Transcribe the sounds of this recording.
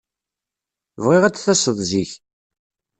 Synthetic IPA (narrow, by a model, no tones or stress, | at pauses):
vʁiʁæt͡sːθæsəðˤziç